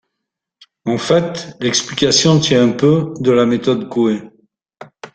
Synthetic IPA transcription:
ɑ̃fɛt̪lɛksplikʲasjɔ̃t̪jɛ̃ɛ̃pød̪əlamet̪ɔd̪koe

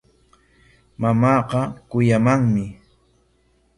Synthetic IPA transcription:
mamɑːqɑkʊjamaŋmɪ

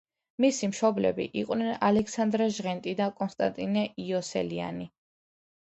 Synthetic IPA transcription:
misimʃɔblɛ̰bḭʔiqʼnɛnalɛkʰsand̪ɾaʒʁɛnt̪ʼid̪akʼɔnst̪ʼa̰nt̪ʼinɛiɔsɛ̰lia̰ni

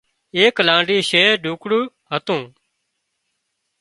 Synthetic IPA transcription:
eːklãːɳɖiːʃeːɖʱuːkɽuː | ɦət̪ũː

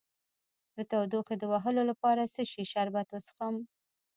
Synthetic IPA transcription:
d̪ət̪awd̪uxed̪əwaɦəlolapɑɾasəʃiʃaɾbat̪wəsxəm

